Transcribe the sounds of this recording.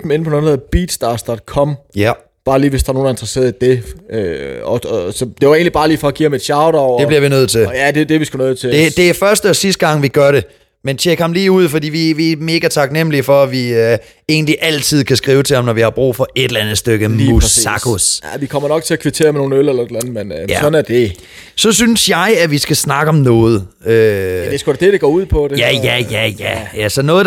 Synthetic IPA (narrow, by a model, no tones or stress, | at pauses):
m̩en̩pʰɔnonheb̥iːd̥sd̥ɑ̈sd̥ɒd̥̚kʰɒ̽m̰ | b̥ɑ̈ːliːʋesd̥ɑ̈ɐno̝ːn̩e̝nd̥ʁɐse̝̰ɐðˠid̥e̝øɒɒsɒ̽d̥e̝ʋɑe̝̰ːnlibɑ̈ːliːfɒ̽æɡ̥ḭːɑmed̥ɕɑ̈ʊɾɒʊ̰d̥ebliɐʋinøð̞̰ˠt͡sʰe̝ljæd̥e̝d̥eɐʋisɡ̥unøð̞̰̩ˠt͡sʰed̥e̝d̥e̝æfɶɐsd̥əɒ̽sisd̥ɡ̥ɑ̈ŋ̰ʋiɡ̥ɶɐɾe | ment͡ɕʰeɡ̥hɑ̈mliːuð̞̰ˠfɒdḭːʋiʋiæme̝ɡ̥æt͡sʰɑ̈ɡ̥nem̰lifɒ̽æʋiø | e̝̰ːnliʔæl̰t͡sʰið̰ˠkʰæsɡ̥ʁiːʊət͡sʰe̝hɑ̈mnɒʋihɑ̈b̥ʁṵːfɒ̽e̝ɾ̥elænð̩ˠsd̥øɡ̥əmːusɑkʰosʋikʰɒ̽mɐnɒ̽ɡ̥̚t͡sʰe̝ækʰʋit͡sʰe̝̰ːɐmeno̝ːnølelɐed̥lænð̩ˠmenjæsɒ̽næɐd̥e | sɒ̽synsjɑ̈ɪæʋisɡ̥æsnɑ̈ɡ̥əɒ̽mnɔ̽ːð̞̩ˠø̥esɡ̥od̥ded̥eɡ̥ɒ̰ːuð̞̰ˠpʰɒ̽d̥eæjæjæjæjæsɒ̽nɔ̽ːð̩ˠ